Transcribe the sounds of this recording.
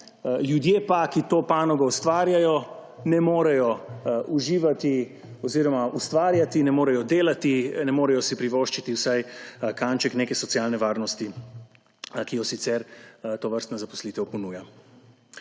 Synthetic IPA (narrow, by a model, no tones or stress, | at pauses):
ljud̪jeːpakit̪oːpaːnɔɡɔust̪ʋaːɾjajɔ | nɛmoːɾɛjɔuʒiːʋat̪i | ɔziːɾɔmaʔust̪ʋaːɾjat̪inɛmoːɾɛjɔd̪eːlat̪inɛmoːɾɛjɔsipɾiʋoʃt͡ʃit̪iwsajkant͡ʃɛkneːkɛsɔt̪sjalnɛʋaːɾnɔst̪i | kijɔsit̪sɛɾt̪oːʋəɾst̪nazapɔ̥sliːt̪ɛwpɔnuːja